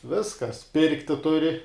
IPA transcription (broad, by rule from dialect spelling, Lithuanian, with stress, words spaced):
ˈʋʲɪskɐs ˈpʲɪrktʲɪ ˈtʊrʲɪ